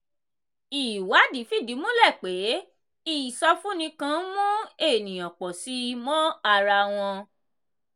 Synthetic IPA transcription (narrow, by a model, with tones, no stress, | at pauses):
i˨wa˨˦di˨˦fi˦˨di˨˦mũ˦lɛ˦˨k͡pe˨˦ | i˦˨sɔ˧fũ˦nĩ˧kã˧˦mũ˦e˦˨nĩ˨jã˨k͡pɔ˨si˨˦mɔ̃˦a˧ɾa˧w̃ɔ̃˧